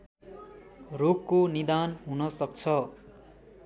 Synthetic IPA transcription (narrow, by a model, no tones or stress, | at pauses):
rokːonid̪anɦunʌsʌk̚t͡sʰʌ